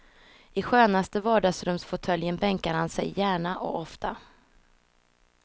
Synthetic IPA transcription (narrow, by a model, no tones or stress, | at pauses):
ɪɧøːnast̪əvɑːɖaɡsɾɵmsfʊt̪ʰœljənbɛŋkaɾhansɛ̰jːæːɳaʔɔ̰ɔft̪ʰa